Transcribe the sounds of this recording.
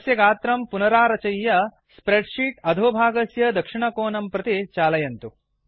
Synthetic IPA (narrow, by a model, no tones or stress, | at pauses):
sjɐɡaːt̪ɾɐmpunɐɾaːɾɐt͡ʃɐjːɐ | spɾeɖʂiːʈɐd̪ʱoːbʱaːɡɐsjɐd̪ɐkʂiɳɐkoːnɐmpɾɐt̪it͡ʃaːlɐjɐnt̪u